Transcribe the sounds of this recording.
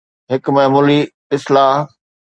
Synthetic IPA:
ɦɪkmɐɦmuːli | ɪslaːɦ

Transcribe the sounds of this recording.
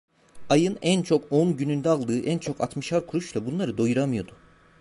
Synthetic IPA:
ajɯnænt͡ʃʰo̞konɟynynd̪ɛalˠd̪ɯːʔænt͡ʃʰo̞ka̰t̪mɯʃaɾkʰuɾut͡ʃlˠabunlˠaɾɯd̪o̞juɾamɯjo̞d̪̥ʊ

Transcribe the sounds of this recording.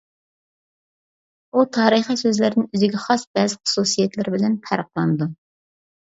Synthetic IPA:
ut̪ʰɑːɾəχisøzlɪɾnɪnyzɪɡʲɛχɑsbɛzɪχʊ̥susijɛt̪lɪɾbɪlɛnp̪ʰæɾəq̚lˠɑnɨd̪u

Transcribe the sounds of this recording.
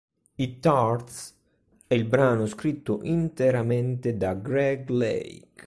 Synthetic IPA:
it̪aɾt̪s | ɛilbɾaːnʊskɾit̪ːʊʔint̪eɾamɛnt̪ed̪aɡɾɛɡlḛjk

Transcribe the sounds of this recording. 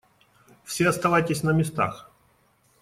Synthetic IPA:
fsʲeɐst̪ɐvajtʲɪsʲnəmʲɪst̪a̰x

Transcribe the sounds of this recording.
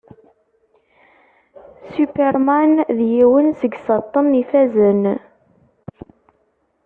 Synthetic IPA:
sypeɾmænðjiwənsəɡsət̪ˤːənːifæzən

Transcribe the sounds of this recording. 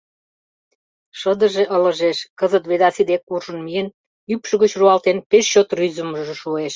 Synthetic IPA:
ʃəd̪ə̆ʒeʔələ̆ʒeʃkəzət̪βed̪ɑsid̪ekːurʒə̆nmiən | ypʃəɣət͡ɕruɑlt̪enpeʃt͡ɕot̪ryzə̆məʒʒĕʃueʃ

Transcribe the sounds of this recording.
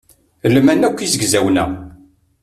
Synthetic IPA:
lmænækʷːizəɡzæwnæ̰

